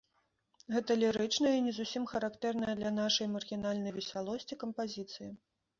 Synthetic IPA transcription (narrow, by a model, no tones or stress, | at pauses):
ɣɛt̪ɐlʲɛɾɨt͡ʂnɐjinʲɛzusʲimxɐɾakt̪ɛrnɐjɐd̪lʲɐnaʂɐjmɐrɣʲinalʲnɐjvʲɛsʲalˠɔsʲt͡sʲikɐmpazʲit̪sɨji